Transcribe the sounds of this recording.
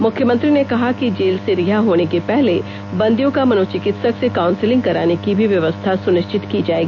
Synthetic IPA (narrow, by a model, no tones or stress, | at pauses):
mʊkʰjəmə̃nt̪ɾinekɐɦakid͡ʒeːlseɾɪɦaɦoːnekepɛɦle | bɐ̃nd̪ijõkamɐnoːt͡ʃɪkɪt̪səksekaːʊ̃nsɪlɪ̃ŋɡ̚kɐɾaːnekibʱiʋjɐʋəst̪ʰasʊnɪʃt͡ʃɪt̪kid͡ʒaːeːɡiiː